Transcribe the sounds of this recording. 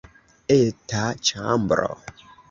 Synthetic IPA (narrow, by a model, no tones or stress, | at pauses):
etat͡ʃam̩bɾɔ̰